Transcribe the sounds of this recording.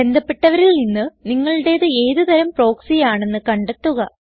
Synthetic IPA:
e̞nd̪ʱɐpːe̞ʈːɐʋɐɾilninːɨniŋːɐɭɨɽe̞ːðɨe̞ːðɨt̪ɐɾɐmpro̞ːksijaːɳe̞nːɨkɐɳɖet̪ːuɣɐ

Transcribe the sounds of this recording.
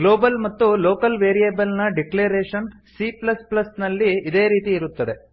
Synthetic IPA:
ɡlo̞ːbɐlmɐt̪ːuloːkɐlʋeːɾijeːbɐlnɐɖikleːɾeːʂɐn | siplɐsplɐsnɐlːiːd̪e̞ːɾiːt̪iːɾut̪ːɐd̪e̞

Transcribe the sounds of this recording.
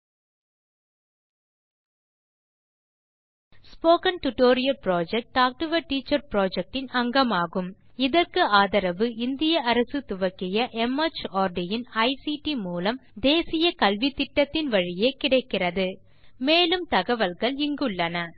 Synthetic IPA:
spoːkɐnʈʊʈoːɾɪjɐlpɾoːd͡ʒɛk̚ʈːaːk̚ʈɯʋɐʈiːt͡ʃːɐɾpɾoːd͡ʒɛk̚ʈɪnɐŋɡɐmaːɣɯm | ɪðɐrkɯaːðɐɾɐʋɯɪnd̪ɪjɐɐɾɐsɯt̪ʊʋɐkːɪjɐʔɛmɐt͡ʃaːɾɖɪjɪnɐɪsiʈimuːlɐmd̪eːsɪjɐkɐlʋɪt̪ːɪʈːɐt̪ːɪnʋɐɻɪjeːkɪɽɐɪkːɪrɐðɯ | meːlɯmt̪ɐɣɐʋɐlɣɐɭɪŋɡɯɭːɐnɐ

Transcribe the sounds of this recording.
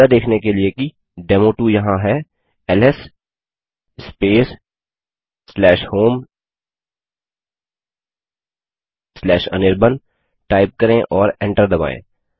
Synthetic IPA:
ad̪eːkʰnekelieki | ɖeːmoːʈujɐɦãɦɛ | ɛlɛs | speːs | slɛːʃhoːm | slɛːʃɐ̰nɪɾbən | ʈaːɪp̚kɐɾẽʔɔːɾɛ̃ɳʈəɾd̪ɐba̰ːḛ̃ː

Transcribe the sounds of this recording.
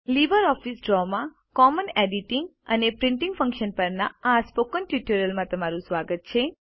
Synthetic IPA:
liʋəɾɔfisɖɾɔmã | kɔməneɖiʈiŋɡ | ə̰nepɾɪ̃ɳʈiŋɡfʰə̃ŋkʃənpəɾnaaspokənʈjuʈəɾəlmãt̪əmaɾũsʋaɡət̪̚t͡ʃʰe

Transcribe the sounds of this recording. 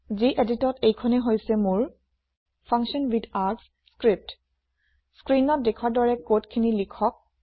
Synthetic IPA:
ziʔeditɔtejkʰɔnɛɦojsɛmʊɹ | pʰaŋksɔnwidaɹts | skɹip̚t | skɹinɔt̚dekʰwaɹdɔɹɛkotkʰinilikʰɔk̚

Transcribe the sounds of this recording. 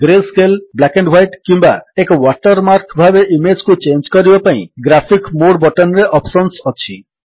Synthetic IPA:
ɡɾeskelblakeɳɖwajʈkimbaekɔwaʈɔɾmaɾkbʱabeʔimed͡ʒkut͡ʃend͡ʒkɔɾibapaḭ̃ɡɾapʰikmoɽbɔʈɔnɾeʔɔpʰsɔnsɔt͡ʃʰi

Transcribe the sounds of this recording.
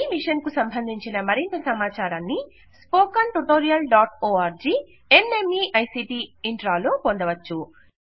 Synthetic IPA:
miʂɐnkusɐmbʱɐnd̪ʱiɲt͡ʃinɐmɐɾint̪ɐsɐmaːt͡ʃaːɾaːnːi | spoːkɐnʈuʈoːɾijɐlɖaːʈoːaːɾd͡ʒiː | enemiːʔɐjsipiːiɳʈɾaːloːpond̪ɐʋɐt͡ʃːu

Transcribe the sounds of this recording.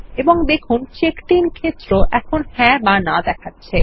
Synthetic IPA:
eboŋd̪ekʰunt͡ɕekʈinkʰet̪ːɾoʔɛkʰonhɛ̃banad̪ɛkʰatːɕʰe

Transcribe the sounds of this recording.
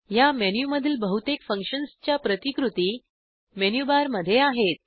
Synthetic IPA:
jamenjuməd̪ʱiːlbəɦut̪ekfə̃ŋkʂənst͡ɕjapɾət̪ikɾut̪iː | menjubaɾməd̪ʱːjeaɦet̪̚

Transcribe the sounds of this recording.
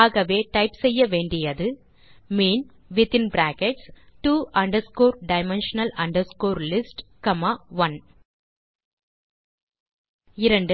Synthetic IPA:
aːɣɐʋeːʈɐɪpsɛjːɐʋeːɳɖɪjɐðɯ | meːn | ʋɪt̪ɪ̃nbɾæːkɛʈsʈuːʔɐɳɖɐɾskoːɾɖɐɪmɛnʂɐnɐlɐɳɖɐɾskoːɾlɪsʈkɐmaːʋɐn | ɪɾɐɳɖ

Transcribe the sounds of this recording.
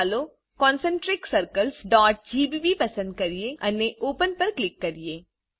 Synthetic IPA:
lo | kɔ̃ːnsə̃ɳʈɾɪksɐɾkəlsɖɔːʈ̚d͡ʒiːbiːbipɐsə̃nd̪̚kɐɾieɐneʔoːpənpɐɾklɪkːɐɾieː

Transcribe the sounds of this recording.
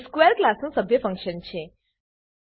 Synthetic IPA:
skʋeɾklasnũsəbʱjəfə̃ŋkʃənt͡ɕʰe

